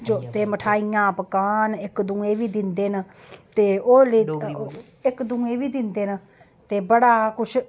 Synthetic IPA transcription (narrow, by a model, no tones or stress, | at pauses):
d͡ʒoːt̪eːməʈʰaːijãːpəkaːnɪkd̪ũːẽːʋiːd̪ɪnd̪eːnə | t̪eːoːliː | ɪkd̪ũːẽːʋiːd̪ɪnd̪eːnə | t̪eːbəɽaːkʊʃʰ